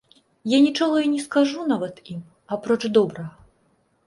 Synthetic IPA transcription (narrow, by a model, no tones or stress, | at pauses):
janʲit͡ʂɔɣɐinʲɛskaʐunavɐt̪im | apɾɔt͡ʂd̪ɔbɾɐɣɐ